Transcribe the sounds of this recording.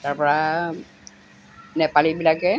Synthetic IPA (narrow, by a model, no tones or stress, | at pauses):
taɹpɔɹa | nɛpalibilakɛ